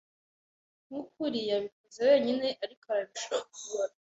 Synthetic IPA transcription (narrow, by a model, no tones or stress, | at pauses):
ŋukuɾijaβikozewe̞ːɲine̞ʔaɾikoaɾaβiʃaukuɾa